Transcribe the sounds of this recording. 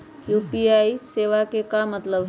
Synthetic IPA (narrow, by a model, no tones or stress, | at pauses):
juːpiaːiseːʋakekamət̪ləbɦ